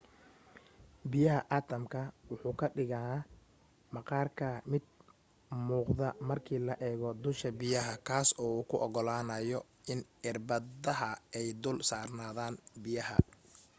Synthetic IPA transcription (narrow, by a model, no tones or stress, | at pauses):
bɪjɐɦɐʔaːt̪ʰɐmkʰɐwʊħuːkʰɐɖɪɣɐnː | mɐqɑːrkʰɐmɪd̪̚ | muːqðɐmɐrkʰiːlɐʔɛːɣɔd̪ʊlʃkɐbɪjɐɦɐkʰaːsɔːuːkʰʊʔɔɣɔlaːnɐjɔ | ɪnɪrbɐðɐɦɐɛjd̪ʊlsaːrnaːðaːnbɪjɐɦɐ̰